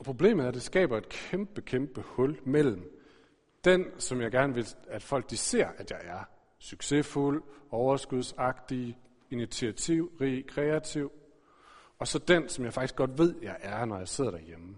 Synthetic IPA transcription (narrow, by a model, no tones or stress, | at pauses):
ɒpʰʁo̝ble̝̰ːmð̩ˠæɐd̥e̝sɡ̥ɛ̰ːb̥ɐe̝d̥̚kʰemb̥əkʰemb̥əhɔ̽lmel̰m̩ | d̥ensɒ̽mjɑ̈ɪɡ̥æɐnəʋe̝æd̥fɒ̽l̰ɡ̥̚d̥ise̝ɐ̰ʔæd̥jɑ̈ɪæɐ | syɡ̥se̝fulɒʊɐsɡ̥uð̞ˠsɑ̈ɡ̥d̥i | init͡sʰiæt͡sʰiʊ̰ʁikʰʁɛæt͡sʰiʊ̰ | ɒ̽sɒ̽d̥ensɒ̽mjɑ̈ɪfɑ̈ɡ̥isɡ̥ɒ̽d̥ʋe̝ð̞̰ˠjɑ̈ɪʔæɐnɒjɑ̈ɪse̝ð̰ˠɐɾ̥æɐjemə